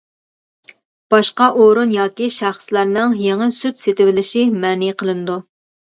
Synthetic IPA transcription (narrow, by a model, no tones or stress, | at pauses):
b̥ɑʃqɑʔoɾunjɑːkʲiʃæχslæɾnɨŋjeŋənsyt̪set̪ɪvɪlɪʃimɛːniqʰəlˠɨnɨd̪u